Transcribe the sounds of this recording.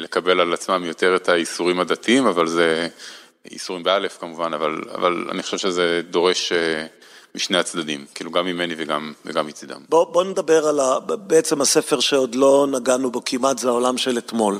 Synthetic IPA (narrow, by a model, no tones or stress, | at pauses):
lekabe̞lalat͡smamjo̞te̞ʁetaisuʁimhad̪atiimavalze | ḭsuʁimbeale̞fkamuvanavala̰va̰la̰niχo̥ʃe̞vʃezed̪o̞ʁe̞ʃe | miʃne̞at͡sd̪ad̪imkiiːluɡamːime̞niveɡamveɡamːit͡sid̪a̰mbobo̞ned̪abe̞ʁalabeet͡se̞masefeʁʃeod̪lo̞naɡanubo̞kʰimat̪zeaolamʃe̞let̪mo̞l